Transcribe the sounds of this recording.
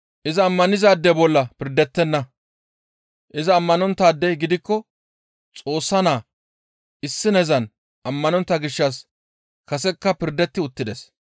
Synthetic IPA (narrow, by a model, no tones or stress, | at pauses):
ʔɪzɐːmːɐnɪzaːd̪ːɛbɔlːɐpɪɾd̪ɛt̪ːɛnːɐ | ʔɪzɐːmːɐnɔnt̪ːaːd̪ːɛjɡɪd̪ɪkːɔ | t͡sʼo̞ːsːɐnaː | ʔɪsːɪnɛzɐn | ʔɐmːɐnɔnt̪ːɐɡɪʃːɐs | kɐsɛkːɐpɪɾd̪ɛt̪ːɪʊt̪ːɪd̪ɛs